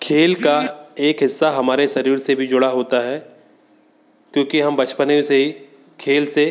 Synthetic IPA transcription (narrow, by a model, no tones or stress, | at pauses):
kʰeːlkaeːkɦɪsːaɦɐmaːɾesɐɾiːɾsebʱid͡ʒʊɽaɦoːt̪aɦɛː | kjõːkiɦɐmbɐt͡ʃpəneiseɦi | kʰeːlse